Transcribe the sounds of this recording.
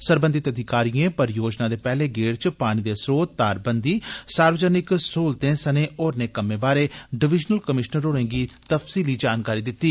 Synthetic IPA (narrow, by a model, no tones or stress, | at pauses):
səɾbə̃nd̪ɪt̪əd̪ʱɪkaːɾiẽːpəɾjoːd͡ʒnãːd̪eːpɛːleːɡeːɽt͡ʃpaːñiːd̪eːsɾoːt̪̚d̪aːɾbənd̪iːsaːɾʋd͡ʒaːnɪksoːlt̪ẽːsəneːʔoːɾneːkəmẽːbaːɾeːɖɪʋɪd͡ʒnəlkəmɪʃnəɾoːɽẽːɡiːt̪əfsiːliːd͡ʒaːnkaːɾiːd̪ɪt̪ːiː